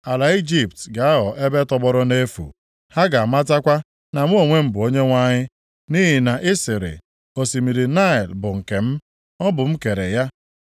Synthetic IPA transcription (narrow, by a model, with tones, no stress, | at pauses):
a˨la˨i˦d͡ʒi˨p̚tɡa˨a˦ɦɔ˨ʔe˦be˦tɔ˦bɔ˦ɾɔ˦ne˦fṵ˨ | ha˦ɡa˨a˨ma˦ta˦kʷa˦ | na˨m˦o˨ŋʷe˦m̩˦bʊ˨o˦ɲe˦ŋʷa˦ɲɪ˦ | ni˦ɦi˨na˨ʔɪ˦sɪ˨ɾɪ̰˨ | o˨si˨mi˨ɾi˨na˦ɪ˨lbʊ˨ŋ̩˨ke˨m̩˦ | ɔ˦bʊ˨m̩˦ke˨ɾe˨ja˦